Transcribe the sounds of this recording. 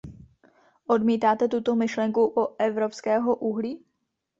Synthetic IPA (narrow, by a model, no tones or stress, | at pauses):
ʔo̞dmiːt̪aːt̪ɛt̪ut̪o̞mɪʃlɛŋkuʔoʔɛvɾo̞pskɛːɦo̞ʔuɦliː